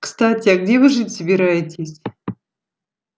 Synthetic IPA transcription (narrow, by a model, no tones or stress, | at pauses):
kst̪atʲeaɡdʲevɨʐɨtʲsəbʲiɾajɪtʲesʲ